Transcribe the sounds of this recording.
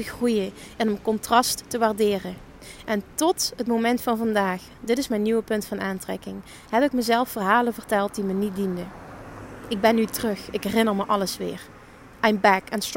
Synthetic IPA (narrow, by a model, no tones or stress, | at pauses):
əɣrujə | ɪnənkɔntrɑstːəʋaːrdɪːrə | ʔɛntɔtɦətmomɛntfɑnvɑndaːx | dɪtɪsmɛjnːyʋəpɵntfɑnaːntrɛ̰kɪŋ | ɦɛbɪkməzɛlˠfːərɦaːləvərtɛlˠt̚dimənit̚dində | ɪɡ̚bɛnytərɵxɪkɦɛrɪnərməʔɑləsʋɪ̰ːr | ʔɛjmbɛkɛnst